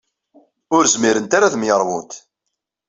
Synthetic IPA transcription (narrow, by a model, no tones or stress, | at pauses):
ʊɾzmiɾənt̪aɾaθmjəɾˤwʊ̰nt̪